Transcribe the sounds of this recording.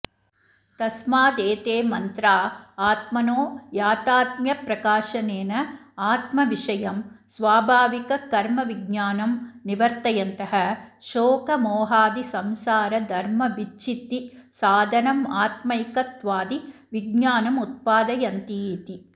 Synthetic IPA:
t̪ɐsmaːd̪eːt̪eːmɐnt̪ɾaːaːt̪mɐnoːjaːt̪aːt̪̚mjɐpɾɐkaːʃɐneːnɐaːt̪mɐʋiʂɐjɐmsʋaːbʱaːʋikɐkɐɾmɐʋiɡɲaːnɐmniʋɐɾt̪ɐjɐnt̪ɐɦɐʃoːkɐmɔːɦaːd̪isɐmsaːɾɐd̪ʱɐɾmɐʋit͡ʃit̪isaːd̪ʱɐnɐmaːt̪mɐjkɐt̪ʋaːd̪iʋiɡɲaːnɐmut̪̚paːd̪ɐjɐnt̪iːt̪i

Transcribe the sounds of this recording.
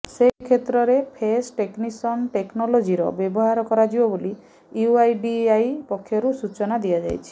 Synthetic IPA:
sekʰet̪ɾɔɾepʰesʈeknisɔnʈeknɔlod͡ʒiɾɔ̰bjɔbɔɦaɾɔkɔɾad͡ʒibɔboli | juajɖiajpɔkʰːjɔɾusut͡ʃɔnad̪iad͡ʒa̰jt͡ʃʰi̥

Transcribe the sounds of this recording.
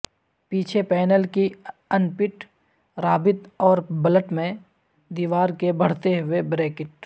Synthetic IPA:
piːt͡ʃʰepɛːnəlkiənpɪʈ | ɾaːbɪt̪ɔːɾbələʈmẽ | d̪iːʋaːɾkebɐɽ̤t̪eɦʊebɾeːkɪʈ

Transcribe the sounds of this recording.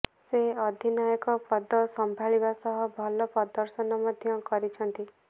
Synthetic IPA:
seɔd̪ʱinajɔkɔpɔd̪ɔsɔmbʱaɭibasɔɦɔbʱɔlɔpɔd̪ɔɾsɔnɔmɔd̪ʱjɔkɔɾit͡ʃʰɔnt̪i

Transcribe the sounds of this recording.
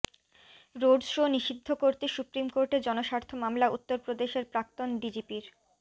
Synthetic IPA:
ɾoɖsoniʃid̪ʱːokoɾt̪esupɾimkoɾʈed͡ʑɔnoʃaɾt̪ʰomamlaut̪ːoɾpɾod̪eʃeɾpɾak̚t̪onɖid͡ʑipiɾ

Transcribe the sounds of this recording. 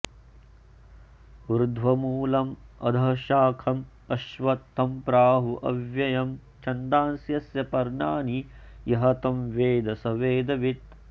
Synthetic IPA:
ɾd̪ʱʋɐmuːlɐmɐ̰d̪ʱɐʃaːkʰɐm | ɐʃʋɐt̪ʰːɐmpɾaːɦuʔɐ̰ʋjɐjɐm | t͡ʃɐnd̪aːnsjɐsjɐpɐɾɳaːnijɐɦɐt̪ɐmʋeːd̪ɐsɐʋeːd̪ɐʋit̪̚

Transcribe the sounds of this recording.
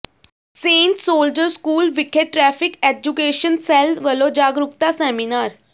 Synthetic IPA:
sẽɳʈsoːld͡ʑəɾskuːlʋikʰeʈʈːɾɛfiked͡ʑukeɕənsɛlʋəlod͡ʑaɡɾukt̪asɛminaɾ

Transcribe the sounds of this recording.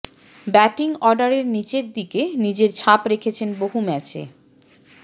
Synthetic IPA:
bɛʈiŋɔɾɖaɾeɾnit͡ɕeɾd̪ikenid͡ʑeɾt͡ɕʰapɾekʰet͡ɕʰenboɦumɛt͡ɕḛ

